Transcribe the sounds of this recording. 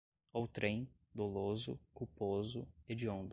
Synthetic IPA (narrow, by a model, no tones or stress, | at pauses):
owt̪ɾẽj̃ | d̪olozʊ̰kupozʊ̰ed͡ʒõnd̪ʊ